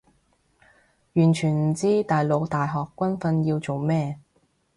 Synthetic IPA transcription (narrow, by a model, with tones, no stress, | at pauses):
jyː˨˩nt͡ʃʰyː˨˩nm̩˨˩t͡siː˥t̪aː˨jlo˨˧˥wt̪aː˨jɦɔː˨kːʷɐ˥nfɐ˧njiː˧wt͡so˨wmɛː˥